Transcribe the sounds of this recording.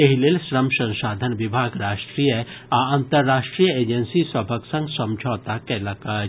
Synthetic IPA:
eɦilelsɾəmsɐ̃nʃaːd̪ʱənʋɪbʱaːɡɾaːʃʈɾiːjəaɐ̃nt̪əɾːaːʃʈɾijəeːd͡ʒənsisɐbʱəksɐ̃ŋɡsɐ̃md͡ʒʱɔːt̪akɛːlɐkə

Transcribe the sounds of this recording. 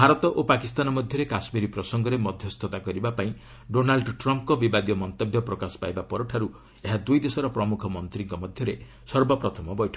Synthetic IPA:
bʱaɾɔt̪ɔʔopakist̪anɔmɔd̪ʱjɔɾekasmiɾipɾɔsɔŋɡɔɾemɔd̪ʱjɔst̪ʰɔt̪akɔɾibapaĩ | ɖonalɖʈɾɔmpkɔbibad̪jɔmɔnt̪ɔbjɔpɾɔkasɔ̥pajbapɔɾɔʈʰaɾu | eɦad̪ujd̪esɔɾɔpɾɔmukʰɔmɔnt̪ɾiŋkɔmɔd̪ʱjɔɾe | sɔɾbɔpɾɔt̪ʰɔmɔbɔjʈʰɔ̥

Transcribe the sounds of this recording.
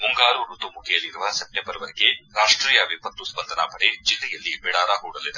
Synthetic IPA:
muŋɡaːɾuɾut̪umukʰejɐliɾuʋɐsep̚ʈembɐɾɐʋɐɾiɡeɾaːʂʈɾiːjɐʋipɐt̪ːuspɐnd̪ʱɐnapɐɽed͡ʒilːɛjɐlːibɛɽaːɾaɦuːɽɐlːid̪e

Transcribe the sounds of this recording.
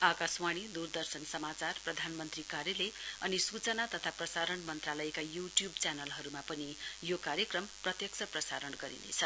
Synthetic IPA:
akaswaɽ̃id̪urd̪ʌrsʌnsʌmat͡sarprʌd̪ʱanmʌnt̪rikaɾjeleʌnisut͡sʌnat̪ʌt̪ʰaprʌsaɾʌɳmʌnt̪ralʌekajuʈjubt͡sanʌlɦʌɾumapʌnijokaɾjekrʌmprʌt̪jʌk̚sʰʌprʌsa̰ɾʌnɡʌɾḭnḛt͡sʰʌ

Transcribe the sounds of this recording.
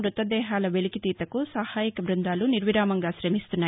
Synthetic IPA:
ɾut̪ːɐd̪ɛːɦaːlɐʋelikit̪iːt̪ɐkusɐhaːjikɐbɾund̪aːluniɾʋiɾaːmɐŋɡaːʃɾemist̪unːaː

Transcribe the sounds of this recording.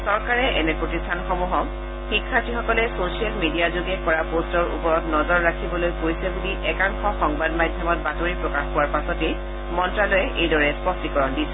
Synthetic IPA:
sɔɹkaɹɛʔɛnɛpɹotistʰanxɔmuɦɔ | xikʰːatixɔkɔlɛsosialmidiazoɡɛkɔɹapostɔɹṵpɔɹɔtnɔzɔɹːakʰibɔlojkoɹisɛbudiʔɛkaŋxɔxɔŋbadmadʱjɔmɔt̚batoɹipɹɔkaxkowaɹpasɔte | mɔntɹalojɛʔejdɔɹɛspɔstikɔɹɔndisɛ̥

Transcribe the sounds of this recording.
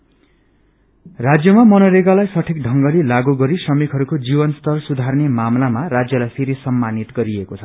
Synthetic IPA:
rad͡zjʌmamʌnʌɾeɡalajsʌʈʰik̚ɖʱʌŋɡʌlilaɡuɡʌɾisʌmikʰɦʌɾukod͡zibʌnst̪ʌrsud̪ʱarnemamlamaɾad͡zjʌlajpʰeɾisʌmːanit̪ɡʌɾiekot͡sʰʌ

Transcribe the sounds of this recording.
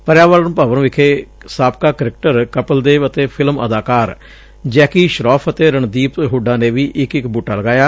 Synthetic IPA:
pəɾjaːʋəːlnũːpaːʋəñʋɪkʰeː | saːp̚kaːkəɾɪk̚ʈəɾkəpəld̪eːʋət̪eːpʰɪlmə̰d̪aːkaːɾ | d͡ʒɛːkiːʃɾɔːpʰət̪eːɾəɳd̪iːpɦuːɖãːneːʋiːʔɪkɪkbuːʈaːləɡaːjaː

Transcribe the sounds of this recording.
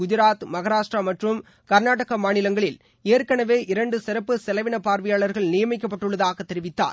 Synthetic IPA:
ɡʊd͡ʒɪɾaːt̪mɐɣɐɾaːʂʈramɐʈrɯm | kɐɾnaːʈɐɣɐmaːnɪlɐŋɡɐɭɪl | eːɾkɐɳɐʋeːʔɪɾɐɳɖɯsɪɾɐpːɯsɛlɐʋɪɳɐpaːɾʋɐjaːɭɐɾɣɐɭnɪjɐmɪk̬ːɐp̬ːɐʈːɯɭːɐðaːɣɐt̪ːɛɾɪʋɪt̪ːa̰ːɾ

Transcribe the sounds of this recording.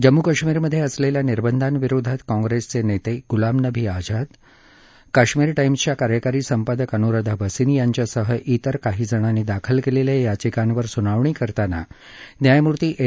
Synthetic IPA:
d͡ʑəmːukaɕmiɾməd̪ʱːjeəsleljaniɾbənd̪ʱanʋiɾod̪ʱat̪kɔ̃ŋɡɾest͡senet̪eɡulamnəbʱiːad͡zad̪ | kaɕmiɾʈajmt͡ɕjakaɾjəkaɾiːsəmpad̪əkənuɾad̪ʱabʱəsinjaɲt͡ɕjasəɦəʔit̪əɾkaɦiːd͡zəɽ̃anːid̪akʰəlkelelejat͡ɕikanʋəɾsuñaʋɳ̃ikəɾt̪ana̰ | njajmuɾt̪iːʔe

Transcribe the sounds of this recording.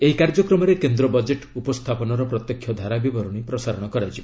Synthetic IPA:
eɦikaɾd͡ʒɔkɾɔmɔɾekend̪ɾɔbɔd͡ʒeʈupɔst̪ʰapɔnɔɾɔpɾɔt̪jɔkʰːjɔd̪ʱaɾabibɔɾɔɽ̃ipɾɔsaɾɔɽ̃ɔkɔɾajt͡ʃʰib

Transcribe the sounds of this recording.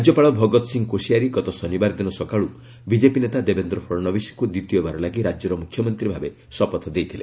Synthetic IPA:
d͡ʒjɔpaɭɔbʱɔɡɔt̪ɔsiŋɡkosijaɾiɡɔt̪ɔsɔnibaɾd̪inɔsɔkaɭu | bid͡ʒepinet̪ad̪ebend̪ɾɔpʰɔɾɔnɔbisi̥kud̪it̪ibebaɾɔlaɡiɾad͡ʒjɔɾɔmukʰjɔmɔnt̪ɾibʱabe | sɔpɔt̪ʰd̪ejt̪ʰile

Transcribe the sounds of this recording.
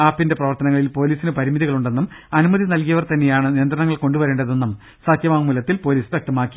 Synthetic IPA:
aːpːinde̞prɐʋɐrt̪ɐnɐŋːɐɭilpo̞ːliːsinɨpɐɾimiðiɣɐɭuɳɖe̞nːumɐnumɐðinɐlkijɐʋɐrt̪ɐnːejaːɳɨnijɐnd̪rɐɳɐŋːɐɭko̞ɳɖuʋɐɾeːɳɖɐðo̞nːum | saːt̪ʰjɐmaːumːulɐt̪ːilpo̞ːliːsʋek̚ʈ̪ɐmaːkːi

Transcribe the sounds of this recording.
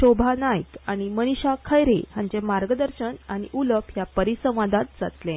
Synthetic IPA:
ɕobʱanajkaɽ̃iməniɕakʰəjɾḛhaɲd͡ʑemaɾɡəd̪əɾɕənaɽ̃ḭʔuləpɦjapəɾisə̃ʋ̃ʋad̪at̪̚d͡za̰t̪lẽ

